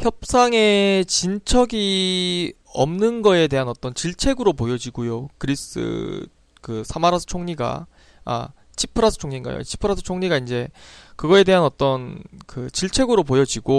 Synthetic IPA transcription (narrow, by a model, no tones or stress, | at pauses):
çjʌp̚s͈aŋe̞t͡ɕint͡ɕʰʌɡi | ʌmnɯnɡʌe̞de̞ɦanʌt͈ʌnt͡ɕiɭt͡ɕʰe̞ɡɯɾopojʌd͡ʑiɡujokɯɾis͈ɯ̰ | kɯsʰamaɾasʰɯ̥t͡ɕʰoŋɲiɡa̰ | a̰ | t͡ɕʰi̥pʰɯɾasʰɯ̥t͡ɕʰoŋɲinɡa̰jo̰t͡ɕʰi̥pʰɯɾasʰɯ̥t͡ɕʰoŋɲiɡaind͡ʑe̞kɯɡʌe̞de̞ɦanʌt͈ʌnkɯt͡ɕiɭt͡ɕʰe̞ɡɯɾopojʌd͡ʑiɡo